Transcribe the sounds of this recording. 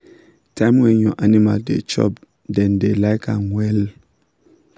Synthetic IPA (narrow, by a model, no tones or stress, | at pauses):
tʰãɪ̃mwɛ̃njɔʔanima̰ldḛt͡ʃɔ̰p | dɛ̃ndelajkʰanwɛl